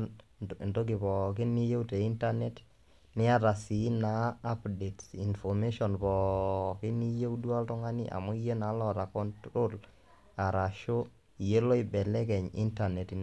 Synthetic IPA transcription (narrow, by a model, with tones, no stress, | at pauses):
ndo˦ɡ̬i˨pɔ˨k̬i˦ni˦je˦wte˨i˦nta˦nɛ˦t | nɪ˦a˦ɾa˨si˨˦naː˨˦pde˨tsi˨nfɔ˨me˦ʃɔ˨npɔ˨ki˦ni˦je˦wdu˦a˦ltɔ˦ŋa˦ni˦ʔa̰˨mɔ˦i˦je˦na˨˦lɔ˦˨ta˨kɔ˦ntɾo˦l | a˨ɾa˨ʃo˦ | i˨je˦lo˦i˨bɛ˨lɛ˦kɛ˨ɲḭ˦nta˨nɛ˨tn